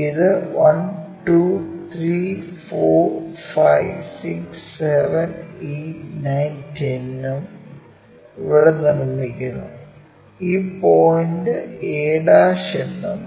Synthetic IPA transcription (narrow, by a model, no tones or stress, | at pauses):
iðɨʋɐnʈuːt̪ʰrɾifoːfɐjʋsiksseʋɐninɐjntʰenːum | iʋiɽɐnɐnumːikʲːunɐ̰ | iːpojndɨeːɽaːɕenːum